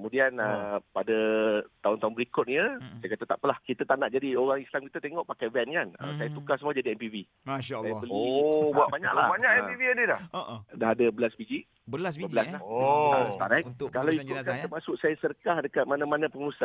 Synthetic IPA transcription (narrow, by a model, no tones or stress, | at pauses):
kəmudianəpadat̪aʊnt̪aʊnbəɾikʊt̪̚ɲəsajakat̪at̪a̰ʔpəlahkit̪at̪aʔnaʔd͡ʒadioɣaŋislamkit̪at̪eŋɔʔpakajvɛnkanə̰sajat̪ukahsəmuad͡ʒadiɛmpivi | asajapəlbuaʔ̚baɲa̰klabaɲakɛmpivianilahdaɦadabəlasbid͡ʒiʔ | bəlasəbəlaslah | t̪a̰ɾajk̪kalawikʊt̪̚kant̪ərmasʊk̚sajasəɾəkahdəkat̪̚manãmanãpəŋusa